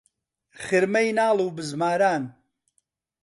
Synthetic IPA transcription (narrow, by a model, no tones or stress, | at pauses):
χɨɾmɐjnaːlˠuːbɨzmaːɾaːn